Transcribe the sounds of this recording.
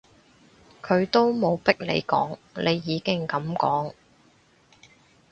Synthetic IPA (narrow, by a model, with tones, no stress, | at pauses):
kʰɵ˨˧ɥt̪o˥wmo˨˧wpɪ˥k̚lḛ˨˧jkɔ̰ː˨˥ŋlʔe˨˧jːiː˨˧kɪ˥ŋkɐ˨˧mkɔː˨˥ŋ